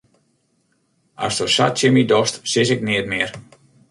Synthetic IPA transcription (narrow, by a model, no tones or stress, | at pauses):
a̰stosatɪmidɔstsɪsɪk̚nɪət̚mɪər